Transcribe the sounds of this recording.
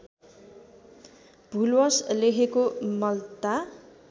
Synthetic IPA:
b̥ʱulwʌslekʰekomʌlt̪a

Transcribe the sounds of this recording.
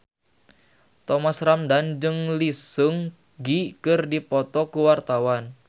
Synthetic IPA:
t̪ɔmasramdand͡ʒɨŋlisuŋ | ɡikɨrdipɔt̪ɔkuwart̪awan

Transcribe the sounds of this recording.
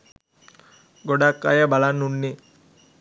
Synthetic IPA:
ɡɔɽakːa̰jɐbɐlanːuɳːi

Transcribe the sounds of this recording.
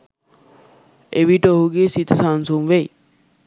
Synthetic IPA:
eʋiʈoɦuɡesit̪ʰsansumʋej

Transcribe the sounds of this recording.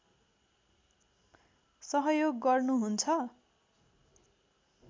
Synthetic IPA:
sʌɦʌjoɡːʌrnuɦunt͡sʰʌ

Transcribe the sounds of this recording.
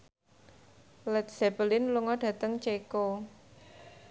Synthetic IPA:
lɛt̪̚sɛbəlɪnluŋɔɖ̥ä̤t̪əŋt͡ʃeko

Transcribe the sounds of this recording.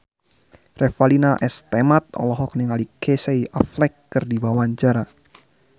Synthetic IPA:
rʔɛfalinaʔɛst̪ɛmat̪̚ɔ̰lɔɦɔk̚niŋalikʰeseiʔaflɛkːɨrdibawaɲt͡ʃaɾa

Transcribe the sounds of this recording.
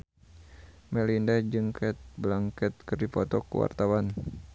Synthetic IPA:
mɛlindad͡ʒɨŋkʰɛt̪̚blaŋkɛt̪̚kərdipɔt̪ɔkṵwa̰rt̪awan

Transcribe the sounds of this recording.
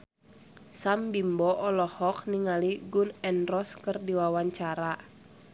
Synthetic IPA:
sambimbɔʔɔlɔhɔk̚niŋaliɡunɛnrɔskərdiwawaɲt͡ʃaɾa

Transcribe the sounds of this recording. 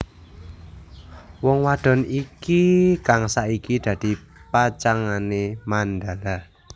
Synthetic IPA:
wɔŋwad̪̥ɔ̤nikikaŋsaʔikid̪̥ä̤d̪̥i̤ | pat͡ʃaŋanemand̪a̤la

